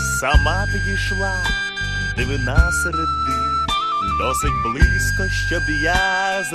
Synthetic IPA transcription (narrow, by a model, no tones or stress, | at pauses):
sɐmat̪ɪdʲiʃlˠa | d̪ɪʋɪnasɛɾɛd̪ɪ | d̪ɔsɪtʲblˠɪskɔʃt͡ʃɔd̪jaz